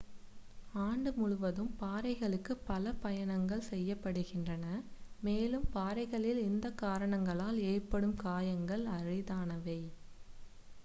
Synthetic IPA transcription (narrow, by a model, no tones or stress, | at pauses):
aːɳɖɯmʊɻʊʋɐðɯmpaːɾɐɪɣɐɭɯkːɯpːɐlɐpɐjɐɳɐŋɡɐɭsɛjːɐpːɐɽɯɣɪndrɐnɐmeːlɯmpaːɾɐɪɣɐɭɪlɪnd̪ɐkːaːɾɐɳɐŋɡɐɭaːleːrpɐɽɯmkaːjɐŋɡɐɭɐrɪðaːnɐʋɐɪ